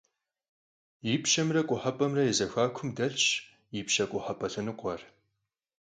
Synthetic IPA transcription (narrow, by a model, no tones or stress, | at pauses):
jipʃɐmrɐkʷʼʊħɐpʼɐmrɐjɛzɐxʷaːkʷʰʊmdɐɬɕ | jipʃɐkʷʼʊħɐpʼɐɬɨnɨqʷɔr